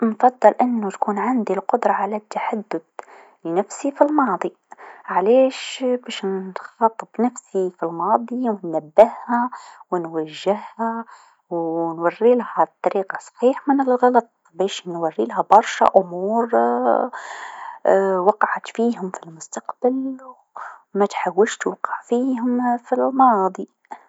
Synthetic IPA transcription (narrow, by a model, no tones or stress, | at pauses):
nfɑd̪ˤːɑlʔɪnːʊt̪kuːnʕɪnd̪ilqʊd̪ɾˤɑʕalæt̪ːaħad̪ːʊd̪ | lɪnafsifilmɑːd̪ˤi | ʕaleːʃbæːʃnxɑt̪ˤːbnafsifilmɑːd̪ˤiwnːabːɪhhawnwaʒːɪhha | wnwarːiːlhat̪ˤːɑɾiːqɑsˤħiːħmɪnɪlɣɑlɑt̪̚ˤ | bæːʃnwarːiːlɦabɑɾˤʃa̰ʔʊmuːɾ | wɑqɑʕat̪fiːɦʊmfilmʊst̪ɑqb̥alw | mat̪ħawːɪʃt̪wɑqɑʕfiːɦʊmfilmɑːd̪ˤi